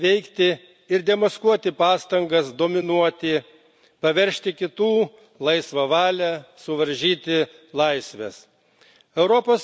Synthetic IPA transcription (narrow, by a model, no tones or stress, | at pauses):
ʋʲɛɪkt̪ʲɪ | ɪɾd̪ʲɛmɐskuɔt̪ʲɪpɑːst̪ɐŋɡɐsd̪oːmʲɪnuɔt̪ʲɪ | pɐʋʲɛɾʲʃʲt̪ʲɪkʲɪt̪uː | lˠɐɪsʋɐʋɑːlʲɛsʊʋɐɾʲʒʲiːt̪ʲɪ | lˠɐɪsʲʋʲɛs | ɛʊɾɔpoːs